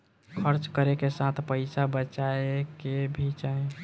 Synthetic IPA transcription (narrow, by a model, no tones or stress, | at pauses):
kʰəɾt͡ʃkəɾekesat̪ʰpəɪsabət͡ʃaekebʱit͡ʃae